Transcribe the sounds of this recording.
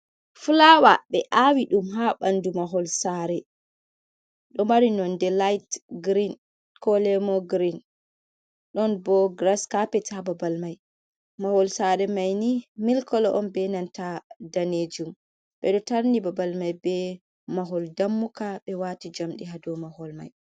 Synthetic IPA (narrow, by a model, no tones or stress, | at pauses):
fulawaɓɛʔawiɗumɦaɓandumaɦɔlsaɾɛ | ɗɔmaɾinɔndɛlajtɡɾin | kɔlɛmɔɡɾin | ɗɔnbɔɡɾaskapɛtʰababalmaj | mahɔlsaɾɛmajnimilkɔlɔʔɔnbɛnantadaned͡ʒum | ɓɛɗɔtaɾnibabalmajbɛ | maɦɔldamːukaɓɛwatid͡ʒamɗiɦadɔmahɔlma̰j